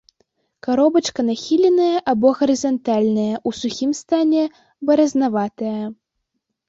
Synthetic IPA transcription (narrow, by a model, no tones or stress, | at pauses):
kaɾɔbɐt͡ʂkɐnaxʲilʲɛnɐjɐʔabɔɣɐɾɨzant̪alʲnɐjɐʔusuxʲimst̪anʲɛ | bɐɾɐznavat̪ɐjɐ